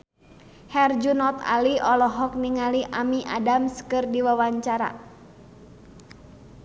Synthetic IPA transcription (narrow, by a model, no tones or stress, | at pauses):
hɛrd͡ʒunɔt̪a̰liɔlɔɦɔk̚niŋaliʔamiʔadamskɨrdiwawaɲt͡ʃaɾa̰